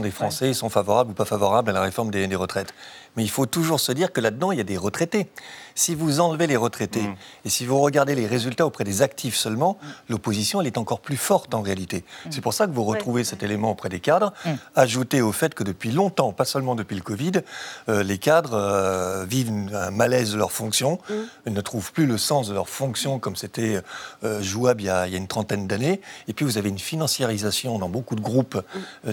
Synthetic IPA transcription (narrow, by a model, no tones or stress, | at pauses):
d̪efχɑ̃sɛsɔ̃favɔʁablupafavɔʁablalaʁefɔʁmd̪ed̪eʁət̪χɛt̪mɛilfot̪uʒuʁsəd̪iʁkəlad̪əd̪ɑ̃iljad̪eʁət̪χet̪esivuzɑ̃lveleʁət̪χet̪eːsivuʁəɡaʁd̪eleʁezylt̪aopχɛd̪ezak̚t̪ʰifsœlmɑ̃lopozisjɔ̃ɛlɛt̪ɑ̃kɔʁplyfɔʁt̪ɑ̃ʁealit̪esɛpuʁsakəvuʁət̪χuvesɛt̪elemɑ̃opχɛd̪ekad̪ʁaʒut̪eofɛt̪kəd̪əpɥilɔ̃t̪ɑ̃pasœlmɑ̃d̪əpɥiləkɔvid̪ølekad̪ʁəvivɛ̃malɛzd̪əlœʁfɔ̃ksjɔ̃ɛlnət̪χuvplyləsɑ̃sd̪əlœʁfɔ̃ksjɔ̃kɔmset̪ɛøːʒuabljailjaynt̪χɑ̃t̪ɛnd̪aneepɥivuzaveynfinɑ̃sjeʁizasjɔ̃d̪ɑ̃bokud̪əɡʁup